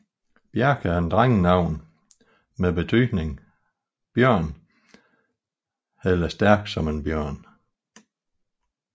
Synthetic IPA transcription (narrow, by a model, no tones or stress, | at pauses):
b̥jæɐɡ̥əend̥ʁaŋənɑ̈ʊ̰n | meb̥e̝t͡sʰyːd̥ne̝ŋ | b̥jœɐ̰n | helɐsd̥æɐ̰ɡ̥sɒ̽me̝nb̥jœɐ̰n